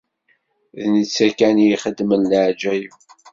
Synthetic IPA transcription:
ðnət͡sːækænjiχəd̪ːmənlʕd͡ʒæju

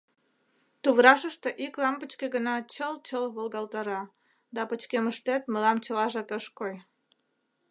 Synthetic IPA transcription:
t̪uβɾɑʃəʃt̪eʔiklɑmpət͡ɕkeɣənɑt͡ɕəlt͡ɕəlβolɣɑlt̪ɑɾɑ | d̪ɑpət͡ɕkeməʃt̪et̪məlɑmt͡ɕəlɑʒɑkəʃkoj

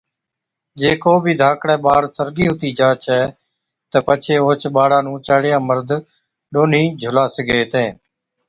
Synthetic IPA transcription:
d͡ʒeːkoːbʱiːd̪ʱaːkɽɛ̃ːɓaːɽt̪əɾɡiːɦʊt̪iːd͡ʒaːt͡ʃʰɛː | t̪əpət͡ʃʰeːoːt͡ʃɓaːɽãːnũːt͡ʃaːɽɪjãːməɾd̪ʱ | ɗoːniːd͡ʒʱʊlaːsəɡeːt̪ẽː

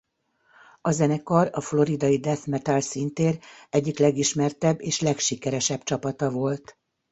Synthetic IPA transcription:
ɒzɛnɛkɒrɒflo̞ɾid̪ɒjid̪ɛθmɛt̪alsint̪eːɾɛɟːiklɛɡiʃmɛrt̪ɛbːeːʃlɛkʃikɛɾɛʃɛbt͡ʃɒpɒt̪ɒvo̞lt̪

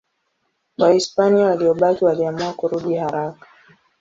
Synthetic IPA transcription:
waispaniawaliɔɓakiwaliamuakuɾuɗihaɾakḁ

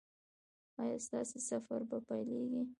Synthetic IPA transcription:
ɑjɑst̪ɑsesafaɾbapajleɡi

